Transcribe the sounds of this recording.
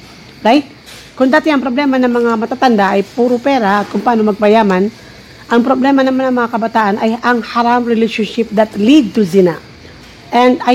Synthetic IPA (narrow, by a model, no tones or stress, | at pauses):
ɹajt̪̚ | kʊŋd̪aːt̪ɪʔɐŋpɾoblɛmanɐŋmɐŋamɐt̪at̪ɐnd̪aʔɐjpuːɾopɛɾaʔɐt̪̚kʊmpaʔaːnomɐɡ̚pɐjaːman | ʔɐŋpɾoblɛmɐnɐmanɐŋmɐŋakɐbɐt̪aːʔɐnʔɐjʔɐŋhɐɾamɾɪlɛʃonʃɪp̚d̪ɐt̪lid̪̚t̪uzɪna̰ | ʔɛnd̪a